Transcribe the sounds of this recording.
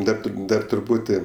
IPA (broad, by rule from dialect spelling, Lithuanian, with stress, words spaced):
ˈdɐr ˈdɐr trʊˈpuːtʲɪ